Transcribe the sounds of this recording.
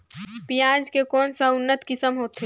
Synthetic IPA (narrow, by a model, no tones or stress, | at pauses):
pijãd͡ʒkekɔːnsəʊnːət̪kɪsəmɦoːt̪ɦe